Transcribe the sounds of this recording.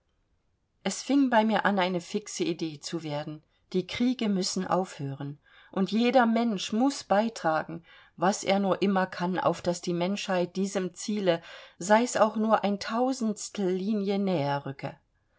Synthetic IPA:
ʔɛsfɪŋbaɪmiːɐʔanaɪnəfɪksəideːt͡suveːɐdn̩ | d̥iːkʁ̥iːɡəmʏsn̩ʔa̰ʊfhøːʁən | ʔʊntjeːdɐmɛnʃmʊsb̥aɪtʁ̥aːɡŋ̩ | vasʔḛːɐnuːɐʔɪmɐkʰana̰ʊfd̥asd̥iːmɛnʃhaɪt̚d̥iːzəmt͡siːləzaɪsaʊxnuːɐʔaɪntʰaʊzn̩stl̩ːiːnjənɛːɐʁʏkʰə̰

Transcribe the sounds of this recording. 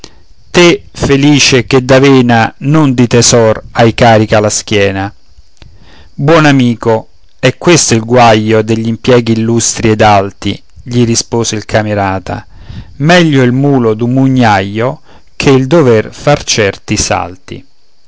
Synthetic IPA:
t̪efeliːt͡ʃeked̪ːaveːnanond̪it̪ezɔrajkaːɾikalask̟jɛːna | bwɔnamiːko | ɛkːwest̪oilɡwajːod̪eʎːimpjɛːɡiːlːust̪ɾied̪alt̪ḭ | ʎiɾispoːzeilkʰameɾaːt̪a̰ | mɛʎːoilmuːlod̪umuɲːajːo | kʰeild̪overfart͡ʃɛrt̪isa̰lt̪ḭ

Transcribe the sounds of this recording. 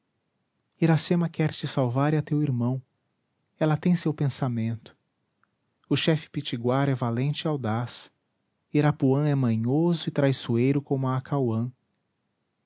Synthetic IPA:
iɾasẽmɐkɛɾt͡ʃɪsawvaɾɐt̪ewiɾmɐ̃w̃ | ɛlɐt̪ẽj̃sewpẽsamẽnt̪ʊ̥ | ʊʃɛfɪ̥pit͡ʃiɡwaɾɛvalẽnt͡ʃɪawd̪as | iɾapuɐ̃ɛmɐ̃ɲozʊɪt̪ɾajsuejɾʊkõmʊaːkawɐ̃

